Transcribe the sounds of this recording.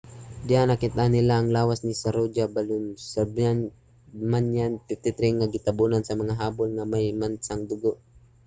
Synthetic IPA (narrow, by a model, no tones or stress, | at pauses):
d͡ʒanakɪt̪anɪlaːŋlaːwasnisaɾod͡ʒabalʊnsaban | manjanpɪt̪ɪt̪ɾɪŋːaɡɪt̪abunansɐmɐŋaɦaːbolŋamajmansaŋd̪ʊɡoʔ